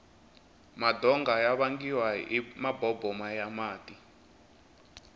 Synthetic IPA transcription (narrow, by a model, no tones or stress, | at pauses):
madʱɔŋɡajaβaŋɡiwaimabɔbʱɔmajamaːtʼi